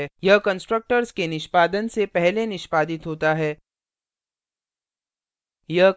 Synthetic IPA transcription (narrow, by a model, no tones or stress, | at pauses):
jɐɦkə̃nsʈɾək̚ʈəɾskenɪʃpaːd̪ənsepɛɦlenɪʃpaːd̪ɪt̪ɦoːt̪aɦɛː | jɐɦ